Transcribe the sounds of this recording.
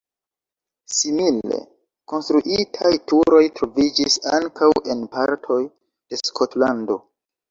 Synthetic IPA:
simile̞̰ | ko̞nstɾuʔitʰajtuɾo̞jtɾo̞vid͡ʒisa̰ŋkawʔe̞npaɾtʰo̞j | d̥e̞skʰotlando̞

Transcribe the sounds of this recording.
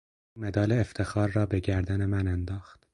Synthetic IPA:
umed̪ɒːleːft̪ʰe̞xɒːɾːɒːbe̞ɟæɾd̪æne̞mænænd̪ɒːxt̪

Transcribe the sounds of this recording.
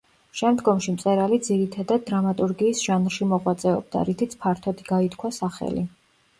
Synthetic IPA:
ʃɛmd̪ɡɔmʃimt̪sʼɛɾalid̪ziɾit̪ʰad̪ad̪̚ːɾamat̪ʼuɾɡiːsʒ̥anɾʃimɔʁwat̪sʼɛɔ̰b̚d̪a̰ɾit̪ʰit̪sʰpʰaɾt̪ʰɔd̪iɡ̥ait̪kʰwasaχɛ̰lḭ

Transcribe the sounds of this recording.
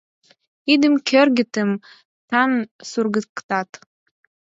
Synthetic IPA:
id̪ɨmkʲʰørɡʲɪt̪ʰɨm | t̪ʰansurɡɨkt̪at

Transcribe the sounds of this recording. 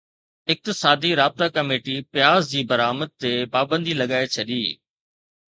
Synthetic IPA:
ɪk̚t̪ɪsaːd̪iɾaːb̚t̪akɐmeːʈipɪjaːzd͡ʑiːbɐɾaːməd̪̚t̪epaːbə̃nd̪ilɐɡaːet͡ɕʰɐɗiː

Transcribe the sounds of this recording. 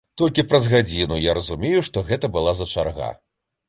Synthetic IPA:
t̪ɔlʲkʲipɾɐzɣad͡zʲinujaɾɐzumʲejuʂt̪ɔɣɛt̪ɐbɨlˠazɐt͡ʂa̰rɣa̰

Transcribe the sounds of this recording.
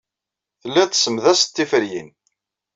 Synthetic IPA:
θəlːæt̪ːsəmðæst̪ːifəɾjin

